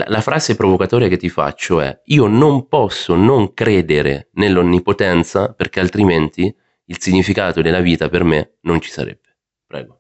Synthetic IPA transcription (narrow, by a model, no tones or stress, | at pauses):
la̰lafɾaːzepɾovokat̪ɔːɾjaket̪ːifa̰t͡ʃːoɛ̰iːonompɔsːonoŋkɾeːd̪eɾḛnelːonːipot̪ɛnt̪saperk̟ealt̪ɾiment̪i | ilsiɲːifikaːt̪od̪elːaviːt̪aperme | nont͡ʃi̥sa̰ɾɛ̰b̥ːe | pɾɛ̰ːɡo